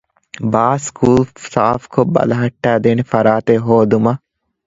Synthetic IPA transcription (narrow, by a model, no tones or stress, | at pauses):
baːskʰuːlsaːfkʰobːɐ̰lɐɦɐʈːæːd̪eːnefɐɾaːt̪eɦoːd̪umɐ